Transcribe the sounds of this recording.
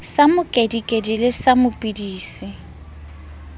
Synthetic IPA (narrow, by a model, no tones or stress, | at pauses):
samʊkʼedikʼedilɪsamʊpʼidiːsɪ